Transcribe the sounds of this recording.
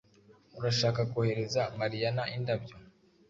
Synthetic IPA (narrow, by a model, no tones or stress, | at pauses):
uɾaʃaːkakohe̞ɾe̞zaŋɡaɾijanaʔindabjo